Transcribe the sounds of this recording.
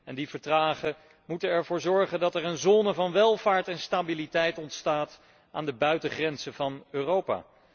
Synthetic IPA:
ɛndivəɹtraːχə | mutənɛɹvʊːɹzɔɹχəndɑtɛɹənzoːnəvɑnʋɛlˠvaːɹtɛnstabilitɛjtɔntstaːt | ʔaːndəbœɥtəχrɛnzəvɑnøːrowpa̰ː

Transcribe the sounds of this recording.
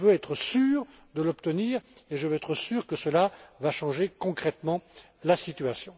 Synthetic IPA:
vøɛt̪χəsyːʁ | d̪əlɔpt̪əniːʁeʒəvøɛt̪χəsyːʁkəsəlavaʃɑ̃ʒekɔ̃kχɛt̪mɑ̃ | lasit̪ɥasjɔ̃

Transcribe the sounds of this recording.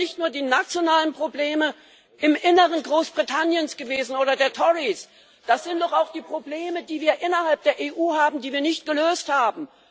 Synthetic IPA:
nɪçtnuːɐdiːnat͡sjonaːlənpʁ̥obleːmə | ʔɪmʔɪnəʁənɡʁoːsb̥ʁitʰanjənsɡ̥əveːzn̩ʔoːɾɐdeːɐtʰɔʁis | d̥asz̥ɪntd̥ɔχaʊxd̥iːpʁ̥obleːmədiːviːɐʔɪnɐhalp̚d̥eːɐʔeːʔuːhaːbm̩diːviːɐnɪçt̚ɡ̥əløːsthaːbm̩

